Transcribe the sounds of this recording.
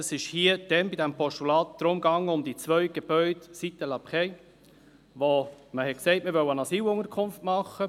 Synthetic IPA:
ɑsɪʃhiːəd̥ɛnbidæmpʰɔʃtulɑːt̪̚d̥̪ɾʊmɡɑŋəʊmd̥̪it͡svœʏɡ̥eb̥œʏdsit̪əlɑpχɛɪ | ʋoməhɛt̚kseɪtməɾʋœwənɑsiːlʊŋəɾkʰʊnftmɑχːə

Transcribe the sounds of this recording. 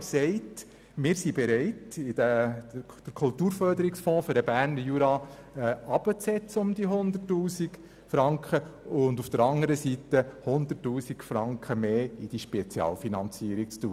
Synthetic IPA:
sɛɪt | mɪːɾsibɛɾɛɪtɪdə | d̥əɾkʰʊltuːɾfœɾdəɾɪksfɔ̃ːfʏɾdəbæːɾnəjuɾɑɛɑb̥ət͡sɛt͡səʊmd̥̪iɦʊnd̪ətːuːsik | fɾɑŋkχəʊndufd̥̪əɾɑŋəɾəsit̪əhʊnd̪ətːuːsikfɾɑŋkχəmeːɪd̥iʃpɛt͡sjɑ̰ːlfinɑnt͡siəɾikt͡stuːə

